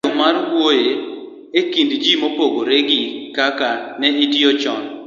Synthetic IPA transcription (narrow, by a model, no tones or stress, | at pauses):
omaɾwoje | ekindd͡ʒimopoɡoɾeɡikakanɛitiot͡ʃɔn